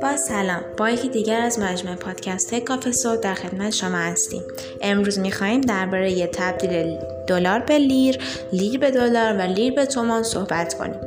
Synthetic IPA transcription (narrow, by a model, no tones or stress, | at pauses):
b̥ɒːsælɒːmb̥ɒːjecʰid̪iːɟæɾæzmæd͡ʒmuːe̞pʰɒːd̪̥cʰæst̪ʰɒːjekʰɒːfesod̪æɾxe̞d̪̚mæt̪ʰeʃo̞mɒːhæst̪ḭːm | ʔe̞mɾuːzmixɒːhiːmd̪æɾbɒːɾe̞jet̪ʰæb̚d̪iːle | d̪̥olɒːɾbe̞liɾ | liːɾbe̞d̪olɒːɾvæliːɾbe̞t̪ʰomɔnso̞hbæt̪ʰkʰo̰nḭːm